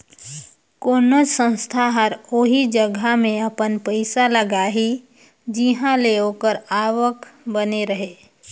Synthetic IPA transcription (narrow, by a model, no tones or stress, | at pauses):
koːnod͡ʒsə̃nst̪ʰaɦəɾoɦid͡ʒəɡʱamẽəpənpəɪsaləɡaɦi | d͡ʒiɦãleoːkəɾaːʋəkbəneɾəɦeː